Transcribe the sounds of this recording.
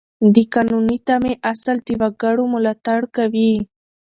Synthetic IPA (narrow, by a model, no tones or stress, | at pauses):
d̪ɪkanʊnɪt̪amɪʔasalt̪ɪwaɡaɽʊmʊlat̪aɽkawi